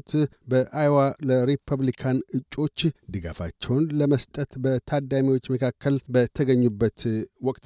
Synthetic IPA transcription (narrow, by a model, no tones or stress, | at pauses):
t̪ | bəʔʔajwaləɾepʰəβlikʰanɨt͡ʃʼːo̞t͡ʃːd̪ɨɡa̰fa̰t͡ʃːɛwnləməst̪ʼət̪bət̪ʰad̪amiwo̞t͡ʃːməkʰakːəlbət̪ʰəɡəɲːubːət̪wɔkʼt̪